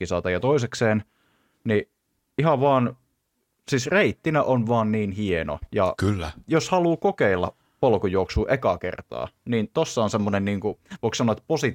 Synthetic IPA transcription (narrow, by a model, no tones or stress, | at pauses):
isɑːt̪ɑjɑt̪oisekseːn | ni | ihɑʋɑːn | sisreit̪ːinæʔonʋɑːnniːnhieno̰jɑ̰kylːæ̰joshɑluːkokeilːɑ̰ | polkujooksuːʔekɑkḛrt̪ɑ̰ːniːnt̪osːɑonsemːonenniːŋkuʋoˑiksɑnoet̪posi